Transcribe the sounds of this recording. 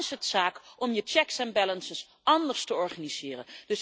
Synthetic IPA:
ɪsɦətsaːkʔɔmjət͡ʃɛksɛnbɛlənsəs | ɑndəɹstəɔɹχaniz̥ɪːrənd̥ɵs

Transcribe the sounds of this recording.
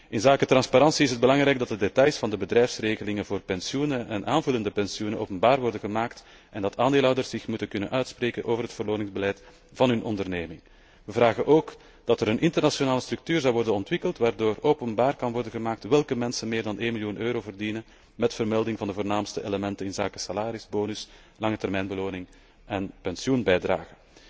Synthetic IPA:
ɪnzaːkətrɑnspaɾɑnsiɪsəd̚bəlɑŋɾɛjɡ̚dɑt̚dədetɑjsfɑndəbədrɛjfsreːɣəlɪŋənvoːrpɛnsjunəʔɛnʔaːnvʉləndəpɛnsijunəʔo̰ːpənbaːrʋɔrdəɣəmaːkt | ʔɛndɑtaːndeːlɦɔwdərsɪxmutənkɵnə̰nʔœɥtspreːkənʔoːvərɦətfərloːnɪŋzbəlɛjt | vɑnɦɵnʔɔ̰ndərneːmɪŋ | ʋəvraːɣənʔoːk | d̥ɑtəɾənʔɪntərnasjonaːləst̪rʉk̚tyːrzɑwʋɔrdənɔntʋɪkəlˠtʋaːrdoːroːpənbaːrkɑnʋɔrdənɣəmaːk̚tʋɛlˠkəmɛnsənmɪːrdɑnʔeːnmiljunʔøːɾoːvərdinə | mɛtfərmɛlˠdɪŋvɑndəvoːrnaːmstəʔeləmɛntənɪnzaːkə̥salaːɾɪzboːnʏs | lɑŋətɛrmɛjnbəloːnɪŋ | ʔɛnpɛnsjunbɛjdra̰ːɣə

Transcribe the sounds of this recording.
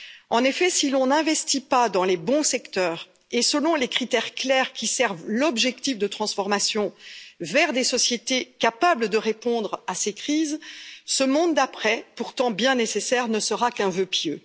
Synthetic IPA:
ɑ̃nefɛsilɔ̃nɛ̃vɛst̪ipad̪ɑ̃lebɔ̃sɛkt̪œːʁ | esəlɔ̃lekχit̪ɛʁklɛʁkʲisɛʁvlɔbʒɛk̚t̪ifd̪ət̪χɑ̃sfɔʁmasjɔ̃vɛʁd̪esɔsjet̪ekapabləd̪əʁepɔ̃d̪ʁasekχizsəmɔ̃d̪d̪apχɛpuʁt̪ɑ̃bjɛ̃nesesɛʁnəsəʁakɛ̃vøpjø

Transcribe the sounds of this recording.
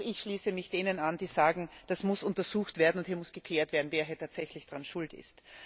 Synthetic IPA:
ɪçʃliːsəmɪçd̥eːnənand̥iːzaːɡŋ̩d̥asmʊsʔʊntɐzuːxtv̥eːɐdn̩ʊnthiːɐmʊsɡ̥əkʰl̥ɛːɐtv̥eːɐdn̩veːɐɦɛːɐtʰaːtsɛçlɪçd̥ʁanʃʊltɪ̰st

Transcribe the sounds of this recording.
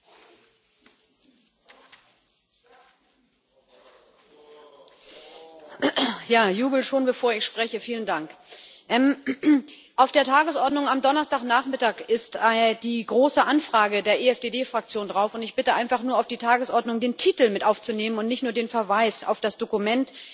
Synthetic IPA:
jaːjuːbl̩ʃoːnbəfoːɐɪçʃpʁ̥ɛçəfiːləndaŋkʔɛm | ʔaʊfd̥eːɐtʰaːɡəsʔɔɐdnʊŋamdɔnɐstaːχnaːχmɪtaːkɪstad̥iːɡʁoːsəʔanfʁ̥aːɡədeːɐʔeɛfd̥eːdeːfʁ̥ak̚t͡sjoːndʁaʊfʊntɪçb̥ɪtəʔaɪnfaχnuːɐaʊfd̥iːtʰaːɡəsʔɔɐdnʊŋdeːntʰiːtl̩mɪtʔaʊft͡suneːmənʊntnɪçtnuːɐdeːnfɛɐvaɪsa̰ʊfd̥asd̥okumɛnt

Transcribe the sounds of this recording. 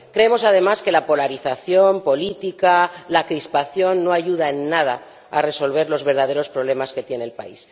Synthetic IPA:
kɾeemo̞sað̞e̞maske̞lapo̞laɾiθaθjo̞mpo̞lit̪ikalakɾispaθjo̞nːo̞aʝuð̞ae̞nːað̞a | a̰re̞so̞lβ̞e̞ɾlo̞zβe̞ɾð̞að̞e̞ɾo̞spɾo̞β̞le̞maske̞t̪je̞ne̞ːlpa̰is

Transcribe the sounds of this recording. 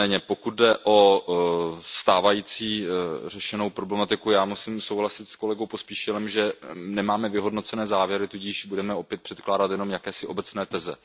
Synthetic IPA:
ɛːɲɛpo̞kut̪̚dɛʔo̞ | st̪aːvajiːt͡siːr̝ɛʃɛno̞wpɾo̞blɛmat̪ɪkujaːmusɪmso̞wɦlasɪt̪sko̞lɛɡo̞wpo̞spiːʃɛlɛmʒɛnɛmaːmɛvɪɦo̞dno̞t͡sɛnɛːzaːvjɛɾɪt̪uɟiːʃbudɛmɛo̞pjɛt̪̚pr̥ɛt̪klaːdat̪jɛno̞mjakɛːsɪʔo̞bɛt͡snɛːt̪ɛzɛ

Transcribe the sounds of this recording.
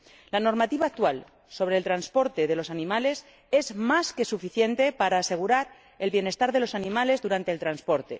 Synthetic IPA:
lano̞ɾmat̪iβaːk̚t̪wal | so̞βɾe̞ːlt̪ɾanspo̞ɾt̪e̞ðe̞lo̞sanĩmale̞s | e̞zmaske̞sufiθje̞nt̪e̞paɾaːse̞ɣ̞uɾaɾ | e̞lβje̞ne̞st̪aɾðe̞lo̞sanĩmale̞zðuɾant̪elt̪ɾanspo̞ɾt̪e̞̰

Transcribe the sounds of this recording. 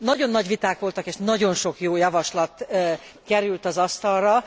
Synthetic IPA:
nɒɟo̞nːɒɟʋit̪aːkʋo̞lt̪ɒkeːʃnɒɟo̞nʃo̞kjoːjɒvɒʃlɒt̪ | kɛɾylt̪ɒzɒst̪ɒlrɒ

